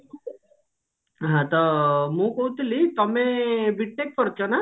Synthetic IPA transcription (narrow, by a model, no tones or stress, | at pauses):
ɦãt̪ɔmũːkoɦũt̪lit̪əmẽbiʈ̚ʈek̚pəɾt͡ʃʰona